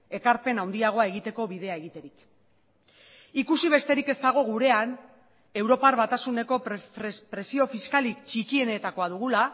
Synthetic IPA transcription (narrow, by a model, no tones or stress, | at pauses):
e̞kaɾpe̞nawnd̪iaɣ̞oae̞ɣit̪e̞ko̞βiðe̞ae̞ɣit̪e̞ɾik | ikusiβ̞e̞st̪e̞ɾike̞st̪aɣ̞o̞ɣ̞uɾe̞an | e̞wɾo̞parβat̪asune̞ko̞ppɾe̞sio̞fiskalikt͡ʃikie̞ne̞t̪ako̞aðuɣ̞ula